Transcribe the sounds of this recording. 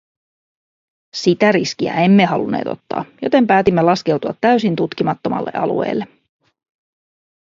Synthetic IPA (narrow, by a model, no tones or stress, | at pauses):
sit̪æɾisk̟iæ̰e̞mːeɦɑlunːe̞̰ːt̪o̞t̪ːɑ̰ːjo̞̰t̪e̞mpæːt̪imːelɑsk̟e̞wt̪uɑt̪ːæɥsint̪ut̪k̟imɑt̪ːo̞mɑ̰lːe̞̰ʔɑlṵḛːlːe̞